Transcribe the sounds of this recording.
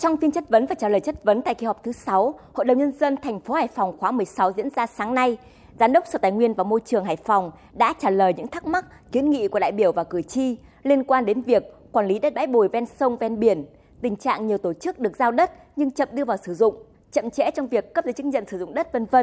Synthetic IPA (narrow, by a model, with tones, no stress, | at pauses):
t͡ɕɔ˧wŋ͡mfi˧ənt͡ɕə˦˥t̚və˨˦nvaː˨˩t͡ɕaː˧˩ləː˨˩jt͡ɕə˦˥t̚və˨˦nt̪a̰ː˧˨ki˧hɔ˨˩wk͡p̚t̪ʰɨ˨˦sa˨˦who̰˧˨jɗə˨˩wŋ͡mɲə˧nzə˧nt̪ʰɛ˨˩jŋ̟fo˨˦haː˧˩jfwŋ͡mxwaː˨˦mɨ˨˩əjsa˨˦wzḭ˧˥ənzaː˧saː˨˦ŋna˧j | zaː˨˦nɗə˦˥wk͡p̚so˧˩t̪aː˨˩jŋwi˧ənvaː˨˩mo˧jt͡ɕɨ˨˩əŋɦaː˧˩jfɔ˨˩wŋ͡m | ɗa̰ː˧˥t͡ɕaː˧˩ləː˨˩jɲɨ̰˧˥ŋt̪ʰa˦˥k̚ma˦˥t̚ki˨˦ənŋḭ˧˨ku˧˩əɗa̰ː˧˨jɓi˧˩əwvaː˨˩wkɨ˧˩ət͡ɕi˧li˧ənkwaː˧nɗe˨˦nvi˨˩ək̚ːwaː˨˩nli˨˦ɗə˦˥t̚ɓa̰ː˧˥jɓo˧˩jvɛ˧nsə˧wŋ͡mvɛ˧nɓi˧˩ən | t̪ï˨˩ŋ̟t͡ɕa̰ː˧˨ŋɲi˨˩əwt̪o˧˩t͡ɕɨ˦˥k̚ɗɨ˨˩ək̚zaː˧wɗə˦˥t̚ | ɲɨ˧ŋt͡ɕə̰˧˨mɗɨ˧əvaː˨˩wsɨ˧˩zʊ̰˧˨ŋ͡m | t͡ɕə̰˧˨mt͡ɕɛ̰˧˥t͡ɕɔ˧wŋ͡mvi˨˩əkːə˦˥p̚zə˨˦t͡ɕɨ˦˥k̚zə̰˧˨nsɨ˧˩zʊ̰˧˨ŋ͡mɗə˦˥t̚və˧nvə˧